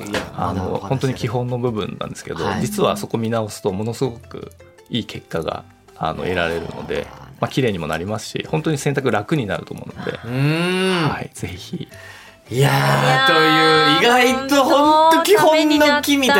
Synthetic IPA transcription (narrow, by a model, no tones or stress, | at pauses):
jaano̞̰hont̪o̞ɲ̟ikʲiɦõ̞nːo̞bɯ̟bɯ̟̃nã̰nd̪esɨ̥ke̞d̪o̞̰d͡ʑit͡sɨβaso̞ko̞mʲinao̞sɨ̥t̪o̞mo̞no̞sɨɡo̞kɯ̟̰ | iːkʰe̞kːaɡa̰ | a̰no̰e̞ɾaɾe̞ɾɯ̟̰no̞̰d̪e̞̰makʲiɾe̞ːɲ̟imo̞na̰ɾʲimasɨ̥ɕḭhõ̞nt̪oɲ̟isẽ̞nt̪akɯ̟ɾakɯ̟ɲ̟inaɾɯ̟t̪o̞̰mo̞ɯ̟no̞d̪e̞̰ɯhaiz̥e̞çḭ | jat̪ojɯːiɡait̪o̞hõ̞nt̪o̞kʲihõ̞nːokʲimʲi